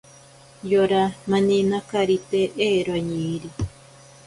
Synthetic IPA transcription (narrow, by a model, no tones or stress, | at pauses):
joɾamãnĩnakaɾit̪eʔeɾwaɲiɾi